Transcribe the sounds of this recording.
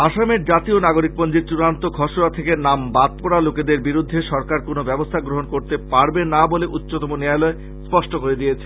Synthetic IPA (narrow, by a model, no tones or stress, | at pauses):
aʃameɾd͡ʑat̪ionaɡoɾik̚pond͡ʑiɾt͡ɕuɾant̪oɡʱɔʃonat̪ʰekenambat̪̚poɾaloked̪eɾbiɾud̪ʱːeʃɔɾkaɾkonobɛbost̪ʰaɡɾoɦonkoɾt̪epaɾbenaboleʔutːɕot̪ɔmonealɔe | spɔʃʈokoɾed̪ijet͡ɕʰe̥